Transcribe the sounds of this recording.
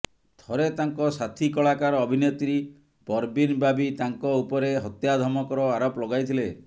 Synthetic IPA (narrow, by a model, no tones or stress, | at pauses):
t̪ʰɔɾet̪aŋkɔsat̪ʰikɔɭakaɾɔɔbʱinet̪iɾi | pɔɾbinbabit̪aŋkɔupɔɾeɦɔt̪jad̪ʱɔmɔkɔɾɔaɾɔplɔɡajt̪ʰile